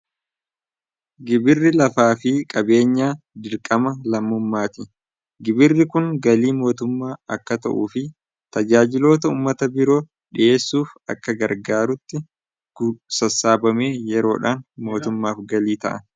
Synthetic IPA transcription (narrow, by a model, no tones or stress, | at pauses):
ɡɪbɪrːɪlɐfaːfɪkʼɐbe̞ːɲːaː | d̪ɪɾkʼɐmɐlɐmːʊmːaːt̪ɪ | ɡɪbɪrːɪkʊŋɡɐliːmo̞ːt̪ʊmːaːɐkːɐt̪ɐ̰ʔuːfɪ | t̪ɐd͡ʒaːd͡ʒɪlo̞ːt̪ɐuːmːɐt̪ɐbɪɾo̞ː | ᶑɪʔe̞ːsːuːfɐ̰kːɐɡɐɾɡaːɾʊt̪ːɪ | ɡ̥ʊsɐsːaːbɐme̞ːjɛɾo̞ːᶑaːnmo̞ːt̪ʊmːaːfɡɐliːt̪ɐʔɐn